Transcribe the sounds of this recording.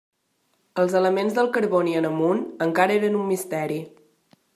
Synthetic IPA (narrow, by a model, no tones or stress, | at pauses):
əlˠzələmenzðəlˠkəɾβoniənəmunəŋkaɾəeɾənumːist̪ɛɾi